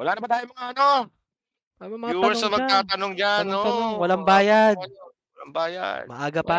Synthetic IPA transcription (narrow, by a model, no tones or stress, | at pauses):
wɐlaːnɐbɐt̪aːjomɐŋaʔɐno̞ | pamɐmɐauɐɛsɐmɐɡ̚t̪aːt̪ɐnoŋd͡ʒanot̪ɐnoŋwɐlaŋbaːjad̪ | wɐlaŋbaːja̰d̪̚mɐʔaːɡɐpa